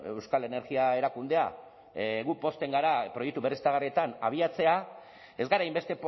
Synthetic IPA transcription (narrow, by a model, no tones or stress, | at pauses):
ewskale̞ne̞ɾɣiae̞ɾakund̪e̞a | ɣupo̞st̪e̞ŋɡaɾapɾo̞jek̚t̪uβerist̪aɣariet̪anaβ̞iat͡se̞a | e̞zɡaɾajmbe̞st̪e̞p